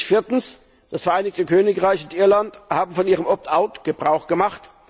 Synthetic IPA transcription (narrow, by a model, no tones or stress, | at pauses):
fɪːɐtn̩s | d̥asfɛɐʔaɪnɪçtəkʰøːnɪkʁaɪçʊntʔɪɐlanthaːbm̩fɔnʔiːʁəmʔɔp̚tʰaʊtɡ̥əbʁaʊxɡ̥əmaχt